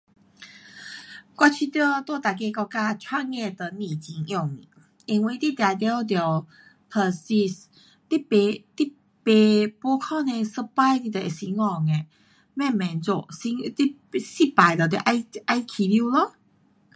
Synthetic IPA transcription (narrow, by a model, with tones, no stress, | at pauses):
kʷwa˧t͡ɕʰi˧t̪ə˥˧t̪wɔ˥˧˨t̪a˨˩k̬e˧kɔ˧ka˧t͡ɕʰwa˥ŋe˥˧t̪ə˨˩nĩ˨t͡ɕi˨˧˦ŋjɔ˥˨ŋi˨ | i˧ŋwi˧˨˩t̪i˦˥t̪ja˨˩t̪jt̪̬jɔ˨˩ | pʰə˨˩si˧s | t̪i˦˥e˧t̪i˦˥ | pe˨˩pwɔ˧˦kʰɔ˥˨nẽ˧sə˧pa˥˧jt̪i˧t̪ə˨ʔe˨si˧˦ŋɔ˥˧˩ŋe˨ | mɛ̃˥˧˨mɛ̃˨nt͡so˧˩si˧˦t̪i˦˥ | si˦˨pa˨˩jt̪ə˨˩t̪̬i˧˨ʔa˧a˧jkʰi˨lji˧˥˨lo˧˦